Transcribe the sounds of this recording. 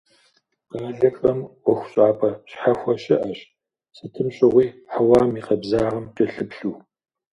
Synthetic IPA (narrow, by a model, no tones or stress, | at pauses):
qɑːɮɐkʼɐmʔʷɔxʷɕʼaːpʰʼɐɕħaxʷɔɕɪʔɐɕ | sɨtʰɨmɕʼɪʁʷiːħawaːmiːqɐbzaːʁɐmtʼɪɬɨpɬuː